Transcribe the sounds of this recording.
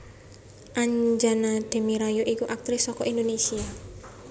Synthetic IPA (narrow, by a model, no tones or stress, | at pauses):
ʔaɲd͡ʒanad̪̥e̤miɾajoʔikuʔak̚t̪ɾɪsːɔkɔʔindonesia